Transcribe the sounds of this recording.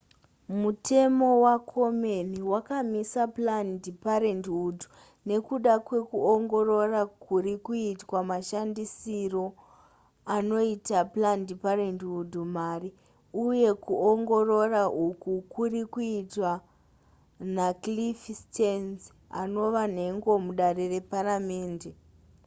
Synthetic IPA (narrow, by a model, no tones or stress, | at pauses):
mutʰe̞mo̞wakʰo̞meniwakamisaplandipaɾendudu̥ | ne̞kuɗakwe̞kuoŋɡo̞ro̞rakuɾikuitwamaʃandisiro̞ | ano̞itaplandiparendudʱumari | uje̞kuoŋɡo̞ro̞raʔukukurikuitwa | naklifstenz | a̰no̞ʋan̤e̞ŋɡo̞muɗarere̞parame̞ːnde